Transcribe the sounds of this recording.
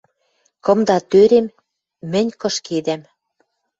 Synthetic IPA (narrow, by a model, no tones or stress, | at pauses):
kɤ̆md̪ɑt̪øɾemː | ɘ̆nʲkɤ̆ʃked̪æm